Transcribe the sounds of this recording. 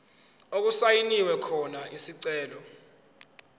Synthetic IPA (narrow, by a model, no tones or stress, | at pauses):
ok̬usajiniwɛkʰɔnaʔisiǀɛːlɔ